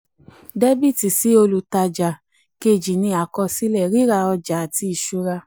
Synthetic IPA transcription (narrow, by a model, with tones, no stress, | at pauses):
de˦bi˦˨ti˨si˨˦o˧lu˨ta˧d͡ʒa˨ | ke˧˨d͡ʒi˨nĩ˧a˨kɔ˧si˦lɛ˦˨ɾi˦ɾa˧ɔ˧d͡ʒa˨a˨ti˧˦i˨ʃu˨˧˦ɾa˧